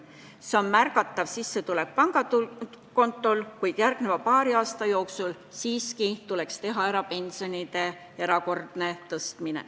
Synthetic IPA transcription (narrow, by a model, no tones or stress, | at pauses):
se̞o̞nmærkɑt̪ˑːɑvsisːe̞t̪ulek̚pɑŋɡɑt̪u | ko̞nt̪ːˑo̞lkujd̪̥jærɡ̥ne̞vɑpɑːɾiɑːst̪ɑjo̞ːksul | siːskit̪ule̞kst̪e̞ɦɑeɾɑpe̞nʲsio̞nid̪̥e̞ | e̞ɾɑko̞rd̪̥ne̞t̪ɤst̪minḛ